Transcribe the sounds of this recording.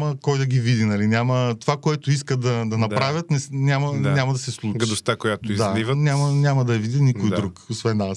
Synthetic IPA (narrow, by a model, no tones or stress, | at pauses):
məkɔjd̪ɐɡʲivid̪inɐlinʲamət̪ovakoɛt̪oiskəd̪ɐd̪ɐnɐpɾavʲət̪nɛnʲamɐnʲamɐd̪ɐsɛslˠut͡ʃɡɐd̪ost̪akojat̪ʊid̪zalivənʲamɐnʲamɐd̪ɐjɐvid̪inikojd̪d̪ɾukosvɛnːas